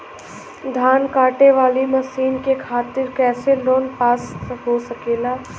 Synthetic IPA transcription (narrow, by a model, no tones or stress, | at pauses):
d̪ʱaːnkaːʈeʋaːlimɐsiːnkekʰaːt̪ɪɾkɛːseloːnpaːsɦosɐkeːlaː